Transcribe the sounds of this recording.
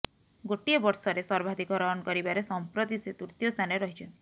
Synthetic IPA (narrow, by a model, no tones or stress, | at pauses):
ɡoʈiebɔɾsɔɾesɔɾbʱad̪ʱikɔɾɔɦɔnɔkɔɾibaɾesɔmpɾot̪iset̪uɾt̪ijɔst̪ʰaneɾɔɦit͡ʃʰɔnt̪i̥